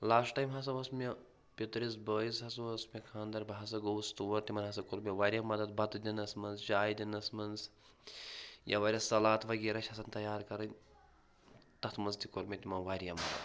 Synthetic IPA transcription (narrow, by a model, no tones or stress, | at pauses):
laːsʈʈaːjmɦɐs̬ɐʋɐsmʲe | pit̪ɾis̬bəːisɦɐsɐʋɐsmʲekʰãːnd̪ɐɾbɐɦɐsɐɡowst̪uʋɐɾt̪imɐnɦɐsɐkoɾmeʋaːɾʲjɐmɐd̪ɐd̪̚bɐt̪d̪ʲinɐsmɐnzt͡ʃaːjd̪ʲinɐsmɐnz | jɐ̰ʋɐɾʲɐsɐlaːt̪ʰʋɐɡeːɾɐʃʰhɐsɐnt̪ɐjaːɾkɐɾɐnʲ | t̪ɐt̪ʰmɐnzt̪ikoɾmʲet̪imɐnʋaːɾijɐmɐd̪ɐ̰d̪